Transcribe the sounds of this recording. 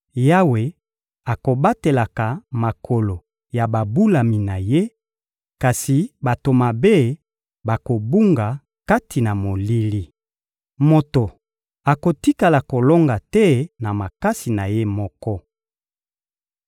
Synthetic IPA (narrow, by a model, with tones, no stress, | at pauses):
ja˦we˨ | a˨ko˨ba˦te˨la˨ka˨ma˨kʰo˨lo˨ | ja˨ba˨bu˦la˨mi˨na˨je˦ | ka˨si˨ba˨to˨ma˨be˦ | ba˨ko˨bu˦ŋɡa˨ | ka˦ti˨na˨mo˨li˦li˦ | mo˨to˨ | a˨ko˨ti˦ka˨la˨ko˨lo˦ŋɡa˨tɛ˦na˨ma˨ka˦si˨na˨je˦mɔ˦kɔ˦